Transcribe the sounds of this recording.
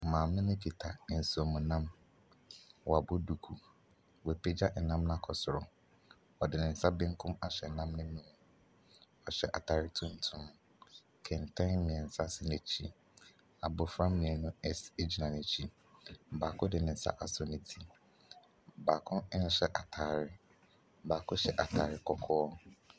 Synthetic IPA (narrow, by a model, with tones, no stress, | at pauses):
mãː˨mɪ̃˦nɪ̃˦pi˨tʰa˨n̩˨su˨ɔ˨mũ˨nã˦m | wɔ˨a˨bʊ˦du˨kʰu˨ | wɔ˨pʰe˦d͡ʑa˦ʔnã˦mnã˦kʰɔ˨sʊ˨ɾʊ˨ | ɔ˨dɪ˨nɪ̃˨n̩˨sa˦bɪ̃˦ŋ̩˦kʰʊ̃˦ma˨ɕᶣɛ˨nã˦mnɪ̃˦nũ˦˨ | ɔ˨ɕᶣɛ̰˨ʔa˨tʰa˨ɾɪ˦tʰũ˦n̩˨tʰʊ̃˦m | kʰɛ˨n̩˨tʰã˦mɪ̃˨ɛ˨n̩˨sa˦sɪ˨ne˨t͡ɕʰi˦ | a˨bʊ˨fɾã˦mɪ̃˨ɛ˨nʊ̃˦ɛ˦se˦d͡ʑi˨nã˨nɛ̃˨t͡ɕʰi˨ | baː˨kʰʊ̃˦dɪ˨nɪ̃˨n̩˨sa̰˦ʔa˨sɔ˨nɪ̃˦tʰi˨ | baː˨kʰʊ̃˦n̩˦ɕɛ˦ʔa˨tʰaː˨ɾɪ˦ | baː˨kʰʊ̃˦ɕɛ˨ʔa˨tʰaː˨ɾɪ˦kʰɔ˦kʰɔː˦